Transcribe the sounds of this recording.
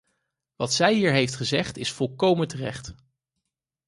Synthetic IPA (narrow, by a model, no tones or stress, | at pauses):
ʋɑtsɛjɦiːɹɦejftχəzɛχtɪsfɔlˠkowməntərɛ̰χt